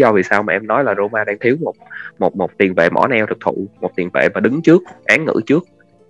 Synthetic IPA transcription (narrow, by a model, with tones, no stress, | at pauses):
zɔ˧vi˨˩saː˧wmaː˨˩ʔɛ˧mnɔ˨˦jlaː˨˩zo˧maː˧ɗaː˧ŋt̪ʰi˨˦əwmo˨˩t̚mo˨˩t̚mo˨˩t̚t̪i˨˩ənvḛ˧˨mɔ̰˧˩nɛ˧wt̪ʰɨ˨˩k̚t̪ʰṵ˧˨mo˨˩t̚t̪i˨˩nvḛ˧˨maː˨˩ɗɨ˨˦ŋt͡ɕɨ˦˥ək̚ʔaː˨˦ŋŋɨ̰˧˥t͡ɕɨ˦˥ək̚